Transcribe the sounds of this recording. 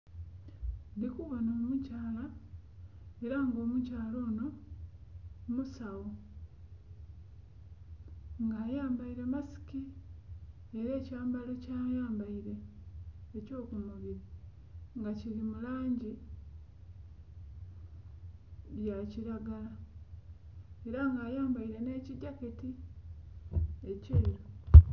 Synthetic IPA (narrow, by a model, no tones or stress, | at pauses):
ndikuβo̞noːmucaːla | eɾaŋɡo̞ːmucaːlo̞ːno̞ | musawo | ŋɡaːjaːmbaiɾe̞masi̥ki | eɾe̞ːcaːmbalo̞caːjaːmbaiɾe̞ː | co̞ːkumuβiɾa | ŋɡaciɾimulaːɲɟi | jaciɾaɡala | e̞ɾaŋɡaːjaːmbaiɾe̞ne̞ːciɟaketi | eceːɾo